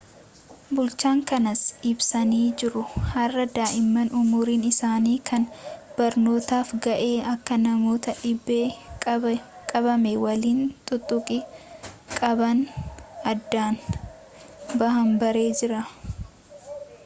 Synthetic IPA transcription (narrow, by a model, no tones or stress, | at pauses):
bʊlt͡ʃaːŋkɐnɐsɪbsɐniːd͡ʒɪɾʊhɐrːɐd̪aːʔɪmːɐnʊmʊːɾiːnɪsaːniːkʰɐnb̥ɐɾno̞ːt̪aːfɡɐʔe̞ːɐkːɐnɐmo̞ːt̪ɐᶑɪbːeːkʼ | kʼɐbɐmɛwɐliːnt̪ʼʊt̪ʼːʊkʼɪ | kʼɐbɐnɐd̪ːaːn | bɐhɐmbɐɾe̞ːd͡ʒɪɾɐ